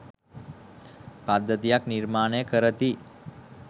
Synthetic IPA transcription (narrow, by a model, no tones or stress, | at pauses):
pad̪ːət̪ijakniɾmaɳekəɾət̪i